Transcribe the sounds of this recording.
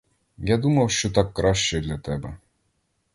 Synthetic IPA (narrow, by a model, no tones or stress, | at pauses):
jad̪umɐwʃt͡ʃɔt̪ɑkːɾɑʃt͡ʃɛd̪lʲɐt̪ɛbɛ